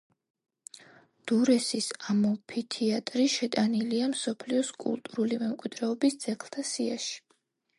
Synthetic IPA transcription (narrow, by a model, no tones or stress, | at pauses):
d̪̥uɾɛsisamɔpʰit̪ʰiat̪ʼɾiʃɛt̪ʼaniliamsɔpʰliɔskʼṵlˠt̪ʼuɾulimɛmkʼwid̪ɾɛɔbisd̪z̥ɛkʰlˠt̪ʰasiaʃi̥